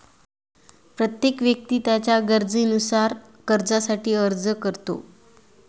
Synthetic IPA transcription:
pɾət̪jekʋjək̚t̪iːt̪jat͡ɕjaɡəɾd͡zinusaɾ | kəɾd͡zasaʈiːəɾd͡zəkəɾt̪o̰

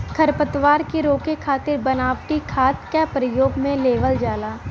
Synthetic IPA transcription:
kʰɐɾpət̪ʋaːɾkeɾoːkekʰaːt̪ɪɾbɐnaːʋʈikʰaːt̪kapɾəjoːɡmẽleːʋəld͡ʒaːlaː

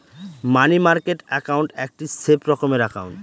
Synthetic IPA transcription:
manimaɾkeʈɛkawɳʈɛk̚ʈisepɾɔkomeɾakʰa̰wɳ

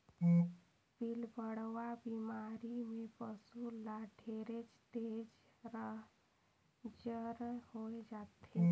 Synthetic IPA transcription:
pilbəɽ̤ʋabimaɾimepəsulaɖʱeɾet͡ʃt̪ed͡ʒɾəɦ | d͡ʒəɾhoed͡ʒat̪ʰe

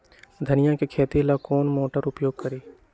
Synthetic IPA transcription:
d̪ʱənɪjãkekʰeːt̪elakoːnmoːʈəɾʊpjoːɡ̚kəɾeː

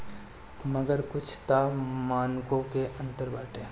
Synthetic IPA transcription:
məɡəɾkʊt͡ʃʰt̪amaːnkõkeʔə̃nt̪əɾbaːʈẽː

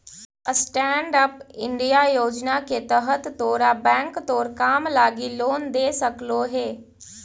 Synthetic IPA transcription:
əsʈɛːɳɖəpɪɳɖijajoːd͡ʒnaket̪əɦət̪ːoːɾabɛ̃ːŋkt̪oːɾkaːmlaːɡiloːnd̪eːsɐkloɦeː

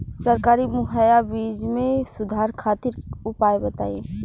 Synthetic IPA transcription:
səɾkaːɾimʊɦajabiːd͡ʒmẽsʊd̪ʱaːɾkʰaːt̪iɾʊpaebət̪a̰ːie

